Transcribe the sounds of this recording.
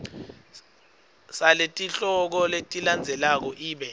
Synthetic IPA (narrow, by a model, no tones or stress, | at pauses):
saletʼiɬɔk̬ɔletʼiland͡zʱɛlak̬ɔʔiːɓɛ